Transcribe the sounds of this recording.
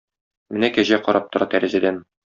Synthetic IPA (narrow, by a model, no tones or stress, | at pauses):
mɘ̆nækæʑæqɒɾʔɑp̚t̪ŏɾɑt̪æɾɘ̆zæd̪æn